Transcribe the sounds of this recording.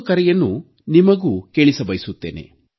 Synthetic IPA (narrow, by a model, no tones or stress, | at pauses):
kɐɾɛjɐnːu | nimɐɡuːke̞ːɭisɐbɐjsut̪ːeːne̞̰